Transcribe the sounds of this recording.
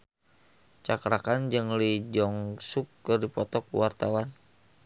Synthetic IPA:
t͡ʃakɾakand͡ʒɨŋlid͡ʒɔŋsukːɨrdipɔt̪ɔkṵwart̪awan

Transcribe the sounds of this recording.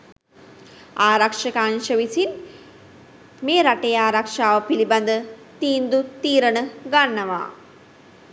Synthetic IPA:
aːɾɐkʂɐkaːnʃɐʋisin | meːɾɐʈːejaːɾɐkʂaːʋɐpilibɐnd̪ɐt̪iːnd̪ut̪iːɾɐɳɨɡɐɳːɐʋa̰ː

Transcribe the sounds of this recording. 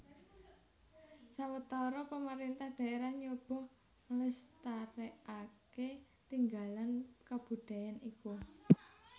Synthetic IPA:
sawət̪ɔɾɔpəməɾint̪ahɖ̥a̤ʔeɾahɲob̥ɔ̤h | ŋləst̪aɾeake | t̪iŋɡalankab̥ṳɖ̥a̤janiku

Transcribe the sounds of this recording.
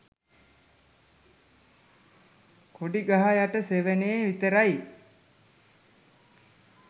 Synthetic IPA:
koɖiɡaɦajaʈəseʋeneːʋit̪əɾaj

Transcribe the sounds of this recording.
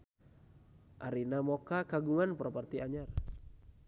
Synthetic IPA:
ʔaɾinamokakaɡuŋanpɾɔpart̪iaɲar

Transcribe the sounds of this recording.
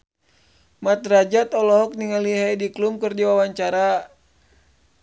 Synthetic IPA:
mat̪rad͡ʒat̪ɔlɔɦɔk̚niŋaliɦajdiklumkɨrdiwawaɲt͡ʃaɾa

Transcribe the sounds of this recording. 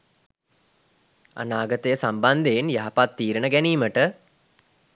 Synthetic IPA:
a̰naːɡət̪əjəsamband̪eːnjaɦapat̪ːiːɾənəɡæniːməʈə

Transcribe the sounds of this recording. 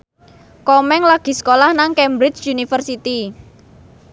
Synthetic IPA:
kɔmɛŋlaɡ̥i̤skolahnaŋkɛmbɾɪt͡ʃunifərsit̪i

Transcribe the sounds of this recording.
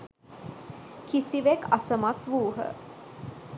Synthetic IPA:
kisiʋekasəmakʋuːɦə̰

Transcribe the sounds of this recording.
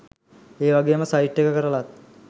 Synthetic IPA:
eːʋaɡejməsajiʈːekːəkəɾəlat̪̚

